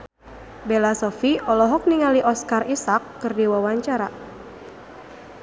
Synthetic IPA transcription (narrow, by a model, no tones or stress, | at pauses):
belasɔfiʔɔlɔɦɔk̚niŋaliʔɔskarʔisakːɨrdiwawaɲt͡ʃaɾa